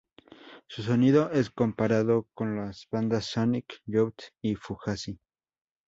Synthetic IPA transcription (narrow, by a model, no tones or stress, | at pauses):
sus̬oniðoʔe̞skompaɾaðokonlazβand̪asːonikʎowt̪ifuxasi